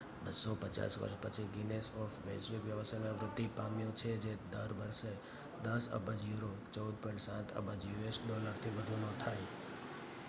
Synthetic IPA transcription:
bəsɔpət͡ʃa̰sʋə̰ɾʃpət͡ʃʰiɡinesɔfʋɛsʋɪkʋjəʋəsajnaʋɾʊd̪ːipamjõt͡ʃʰed͡ʒed̪əɾʋəɾʃe | d̪əsə̰bʱad͡ʒjuɾot͡ʃəud̪̚pɔ̃ĩɳʈsãt̪ʰə̰bʱəd͡ʒjuesd̪olakʰt̪ʰiʋəd̪ʱunõt̪ʰaj

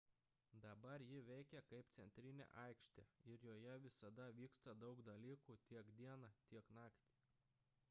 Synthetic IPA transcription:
d̪ɐbɐɾjɪʋʲɛɪkʲɛkɐɪpt̪sʲɛnʲt̪ʲɾʲɪnʲḛʔɐɪkʃʲt̪ʲeːɪɾjoːjɛʋʲɪsɐd̪ɐʋʲiːkst̪ɐd̪ɐʊkd̪ɐlʲiːkuːt̪ʲiɛkd̪ʲiɛnɐt̪ʲiɛknɑːkt̪ʲi

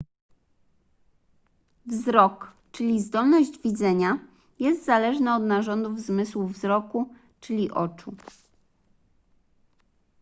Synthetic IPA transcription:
vzɾɔk | t͡ʂɘlʲizd̪ɔlnɔʑd͡ʑvʲid̪zɛɲa | jɛst̪zalɛʐnɛɔd̪naʐɔnd̪uvzmɘswuvzɾɔku | t͡ʂɘlʲiʔɔt͡ʂu

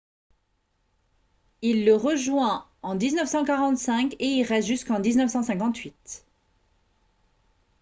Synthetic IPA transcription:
ilːəʁəʒwɛ̃ | ɑ̃d̪iznœfsɑ̃kaʁɑ̃t̪sɛ̃keilʁɛt̪ʒyskɑ̃d̪iznœfsɑ̃sɛ̃kɑ̃t̪ɥit̪

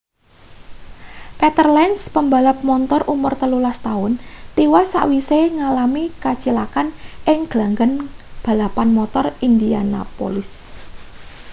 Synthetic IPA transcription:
pet̪ərlɛnspəmbalap̚mɔnt̪ɔrumʊrt̪əlulast̪aʊnt̪iwasa̰ʔwiseŋalamikat͡ʃilakanʔɪŋɡ̥laŋɡənb̥a̤lapanmɔt̪ɔrind̪iana̰po̰lɪs

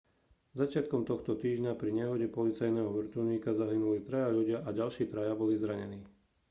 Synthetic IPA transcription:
zat͡ʃɪat̪kɔmt̪ɔxt̪ɔt̪iːʒɲapɾiɲɛɦɔɟɛpɔlit͡sajnɛːɦɔʋr̩t̪uʊɲiːkazaɦinulit̪ɾajaʎuɟɪaʔaɟalʃiːt̪ɾajabɔlizɾaɲɛniː

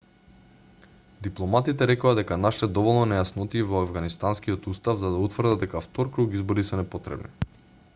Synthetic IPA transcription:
d̪iplˠɔmat̪it̪ɛɾɛkoad̪ɛkanaʃit̪ɛd̪ɔvɔlˠnɔnɛjasnɔt̪iːvɔavɡanist̪anskijot̪ust̪avzad̪aut̪vrd̪ad̪ɛkaft̪ɔɾkɾukizbɔɾisɛnɛpɔt̪ɾɛ̰bnḭ

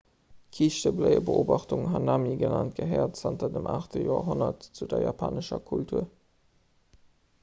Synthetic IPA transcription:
kʰiʃtəbləɪəbəoːbɑχtuŋɦɑnamiɡənant̚ɡ̥əɦɛːɐtsɑntɐdəmʔa̰ːχtəjoːɐɦonɐtt͡sudɐjaːpʰa̰ːnəʃɐkʰultʰuːɐ

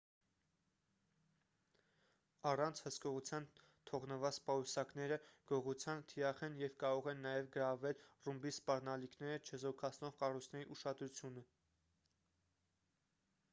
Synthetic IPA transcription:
ɑrɑnt͡sʰhəskɔʁut͡sʰjɑn | t̪ʰɔʁnəvɑt͡spɑusɑkn̪ɛɾəɡ̥ɔʁut͡sʰjɑnt̪ʰiɾɑχɛnjɛvkɑɾɔʁɛnːɑjɛvɡəɾɑvɛlrumbispɑɾnɑlikʰnɛɾət͡ʃʰəzɔkʰɑt͡sʰnɔʁkɑrujt͡sʰnɛɾiʔuʃɑd̪ɾut͡sʰjunə

